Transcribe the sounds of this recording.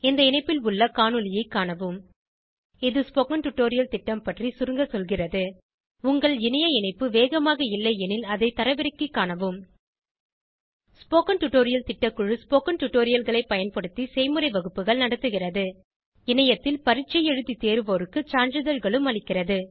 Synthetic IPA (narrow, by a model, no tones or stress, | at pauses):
ɛnd̪ɐɪnɐɪpːɪlʊɭːɐkaːnɯlɪjɐɪkːaːɳɐʋɯm | ɪðɯspoːkɐɳʈʊʈːoːɾɪjɐlt̪ɪʈːɐmpɐʈrisʊɾɯŋɡɐsɔlɣɪrɐðɯ | ʊŋɡɐɭɪnɐjɐɪnɐɪpːɯʋeːɣɐmaːɣɐɪlːɐɪɛnɪlɐðɐɪt̪ɐɾɐʋɪɾɐkːɯkːaːɳɐʋɯm | spoːkɐnʈʊʈːoːɾɪjɐlt̪ɪʈːɐkːɯɻɯspoːkɐnʈʊʈːoːɾɪjɐlɣɐɭɐɪpɐjɐnpɐɽɯt̪ːisɛɪmɯɾɐɪʋɐɣɯpːɯɣɐɭnɐɽɐt̪ːɯɣɪrɐðɯ | ɪnɐjɐt̪ːɪlpɐɾɪt͡ʃːɐjɛɻɯðit̪eːɾɯʋoːɾɯkːɯt͡ʃaːnd͡ʒɯðɐɾɣɐɭɯmɐɭɪkːɪrɐðɯ